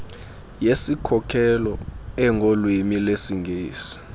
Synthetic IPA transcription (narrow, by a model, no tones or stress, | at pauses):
jesikʰɔkʰɛlɔɛŋɡʱolwimilesiŋɡʱeːsi̥